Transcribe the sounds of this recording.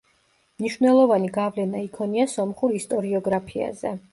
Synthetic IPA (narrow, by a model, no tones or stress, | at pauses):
mniʃvnɛlˠɔvaniɡavlɛnaikʰɔniasɔmχuɾist̪ʼɔɾiɔɡɾapʰia̰zɛ̰